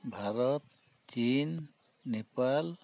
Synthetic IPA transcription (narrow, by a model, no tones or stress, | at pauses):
bʱaɾɔt̪̚ | t͡ʃinː | epal